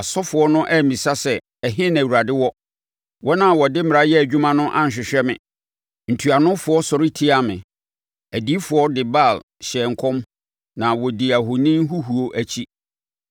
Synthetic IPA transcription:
a˨sɔ˦fʊ˨ɔ˦nʊ̃˦ʔæ˦˨mĩ˨sa˦sɛ˨ | ɛ˨ɦɪ̃˦næ̃˨wu˨ɾa˨dɪ˦wɔ˦ | wɔ˦nã˦˨wɔ˨dɪ˦mɪ˨ɾa˦jɛ˦æ˨d͡ʑᶣu˦mã˦nʊ̃˦ʔã̰˦n˨ɕ̬ᶣɪ˨ɕᶣɛ˦mɪ̰̃˨ | n̩˨tʰu˨a˨nʊ̃˦fʊ˨ɔ˦sɔ˨ɾɪ˦tʰi˦a˨mɪ̰̃˨ | æ˨di˨˦fʊ˨ɔ˦dɪ˨ba˦˨l | ɕɛ˨ŋ˨kʰɔ̃˦m | nã˨wɔ˨di˨a˨ɦʊ˨nĩ˦n˦ɦu˦ɦu˨o˦ʔæ˦t͡ɕʰi˦

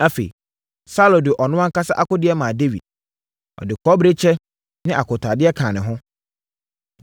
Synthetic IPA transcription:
a˦fḛ˨ḭ˨ | sa˦˨lõ˨dɪ˨ʔɔ˨nʊ̃˦a˦ŋ̩˦ka˦sa˦ʔa˦kʊ˦dɪ˦ɛ˦mãː˨de˦wḭ˨d̚ | ɔ̰˨dɪ˨kʰɔ˦bɾe˦t͡ɕʰɛ˦ | nɪ̃˦ʔa˨kʰʊ˨tʰa˨dɪ˦ɛ˦kʰãː˨nɪ̃˨ɦʊ̃˦

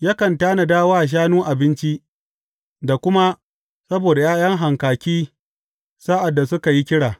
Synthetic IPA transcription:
ja˦kɐ˨ntaː˦na˨daː˦waː˦˨ʃ̬aː˦nuː˦ʔa˨bɪ˦nt͡ʃi˦ | da˨kʷʊ˦ma˦ | sɐ˦boː˨da˨jaː˦jɐ˦ŋɦa˨ŋkaː˨kʲiː˦ | saː˦ʔa˨dːa˨sʊ˦ka˨ji˦kʲɪ˦ɽaː˨

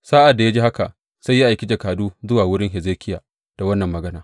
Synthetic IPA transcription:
saː˦ʔa˨dːa˨ja˦d͡ʒiː˦ha˦ka˨ʔ | sa˦jːa˦ʔa˨jkʲɪ˦d͡ʒa˨kaː˨duː˦zʊ˦waː˨wʊ˦ɽɪ˦ŋɦɪ˨zeː˦kʲʰɪ˦jaː˨ | d̥a˨wɐ˦nːɐ˨mːɐ˨ɡɐ˦naː˦

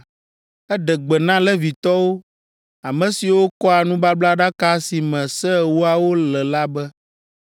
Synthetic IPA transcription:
ɛ˦ɖɛ˨ɡ͡bɛ˨nã˦lɛ˦vi˨t̪ɔ˦wo˦ | a˨mɛ̃˨si˨wo˦kɔ˦a˨nũ˦ba˦bla˦ɖa˦ka˦si˨mɛ̃˨sɛ˦˨wu˦a˨wo˦lɛ˨la˦bɛ˦

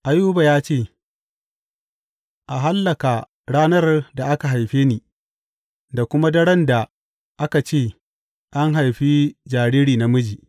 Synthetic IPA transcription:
ʔa˨juː˦ba˨jaː˦t͡ʃeː˦˨ | ʔa˨ɦa˦lːɐ˨ka˨ | ɽaː˦nɐ˦rda˨ʔa˦ka˨ɦa˨jɸeː˦niː˨ | da˨kʷʊ˦ma˦dɐ˦ɽɐ˦nda˨ | ʔa˦ka˨t͡ʃeː˦˨ | ʔa˦ŋɦa˨jɸi˦d͡ʒaː˨ɽiː˦ɽiː˨na˨mʊ˦d͡ʒiː˨ʔ

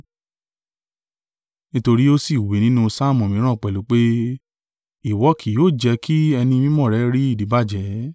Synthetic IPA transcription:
nĩ˦to˧ɾi˦o˦si˨we˨nĩ˦nũ˦sa˦˨mɔ̃˨mĩ˨˦ɾ̃ã˦˨k͡pɛ˨lu˨˦k͡pe˦ | i˦˨wɔ˨˦kʰi˨joː˦˨d͡ʒɛ˧kʰi˦ɛ˧nĩ˧mĩ˦mɔ̃˦˨ɾɛ˨˦ɾi˦i˦˨di˨˦ba˦˨d͡ʒɛ˨˦

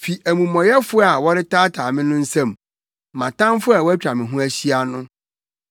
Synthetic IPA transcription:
fi˨ʔæ˨mũ˨mɔ̃˨jɛ˦fʊ˦a˨wɔ˦ɾɪ˦tʰaː˦tʰaː˨mɪ̃˦nʊ̃˦n̩˦sã˦˨m | mã˨tʰã˦mfʊ˦a˨wæ˦t͡ɕᶣa˨mɪ̃˨ɦũ˦æ˦ɕi˦a˨nʊ̃˦

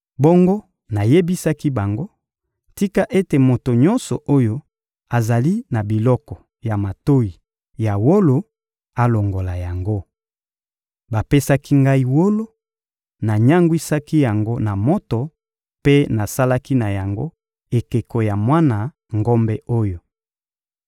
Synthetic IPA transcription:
bo˦ŋɡo˦ | na˨je˦bi˦sa˦ki˦ba˨ŋɡo˦ | ti˦ka˦ʔe˦te˨mo˨to˨ɲɔ˦nsɔ˨ʔo˦jo˦ | a˨za˨li˦na˨bi˨lɔ˦kɔ˨ | ja˨ma˨to˦ji˨ | ja˨wo˦lo˨ | a˨lo˨ŋɡo˨la˨ja˨ŋɡo˦ | ba˨pe˦sa˦ki˦ŋɡa˦i˦wo˦lo˦ | na˨ɲa˦ŋɡwi˦sa˦ki˦ja˨ŋɡo˦na˨mo˦to˨ | pe˦na˨sa˦la˦ki˦na˨ja˨ŋɡo̰˦ | e˨ke˨ko˨ja˨mwa˦na˨ | ŋɡo˦mbɛ˦o˦jo˨

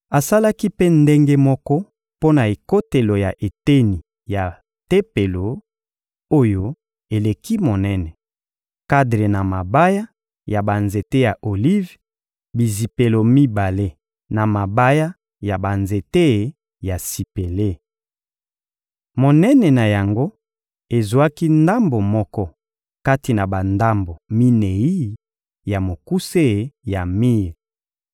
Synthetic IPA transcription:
a˨sa˦la˦ki˦pe˦nde˦ŋɡe˦mɔ˦kɔ˦ | po˦na˨e˨ko˦te˨lo˨ja˨ʔe˨te˦ni˨ | ja˨ | te˦pe˨lo˨ | o˦jo˦ | e˨le˨ki˦mo˨nɛ˦nɛ˨ | ka˦dʁe˨na˨ma˨ba˦ja˦ | ja˨ba˨nze˨te˦ja˨ʔo˨li˦v | bi˨zi˨pe˨lo˨mi˦ba˨le˦ | na˨ma˨ba˦ja˦ | ja˨ba˨nze˨te˦˨ | ja˨si˨pe˨le˦ | mo˨nɛ˦nɛ˨na˨ja˨ŋɡo˦ | e˨zwa˦ki˦nda˦mbo˨mɔ˦kɔ˦ | ka˦ti˨na˨ba˨nda˦mbo˨mi˦ne˨i˦ | ja˨mo˨ku˦se˦˨ja˨mi˦˨ʁ

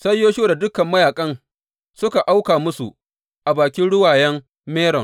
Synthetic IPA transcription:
sɐ˦jːoː˦ʃoː˦˨da˨dʊ˦kɐ˨mːɐ˦jaː˨kʼɐ˦n | sʊ˦ka˨ʔa˦wkaː˨mʊ˦sṵ˨ | ʔa˨baː˨kʲɪ˦nɽʊ˦waː˨jɐ˦m | meː˦ɽɔ˨ŋ

